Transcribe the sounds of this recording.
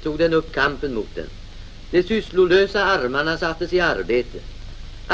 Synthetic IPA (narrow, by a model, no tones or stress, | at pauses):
t̪ʰuːɡd̪ɛnɵpːkʰampənmuːt̪̚d̪ɛ̰n | d̪̥ɛsʏslʊløːsaaɾmaɳasat̪ːəsɪaɾbeːt̪əʔ